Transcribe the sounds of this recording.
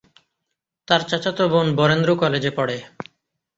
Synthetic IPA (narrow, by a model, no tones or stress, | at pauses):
t̪aɾt͡ɕat͡ɕat̪obonbɔɾend̪ɾokɔled͡ʑepɔɽe